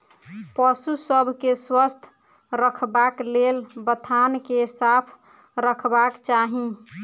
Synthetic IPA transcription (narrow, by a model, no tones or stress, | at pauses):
pəsusəbʱkeswəst̪ʰ | ɾəkʰbaklelbət̪ʰankesapʰ | ɾəkʰbakt͡ʃaɦĩ